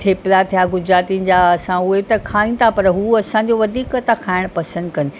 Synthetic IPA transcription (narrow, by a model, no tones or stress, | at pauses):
t̪ʰeːplat̪ʰijaɡʊd͡ʑɾaːt̪inɪ̆d͡ʑaɐsãuet̪ɐkʰaːĩ̆t̪ʰapɐɾɦuɐsãɲd͡ʑoʋɐd̪ʱiːkət̪akʰaːɪɽ̃pɐsə̃nd̪kɐnɪ̆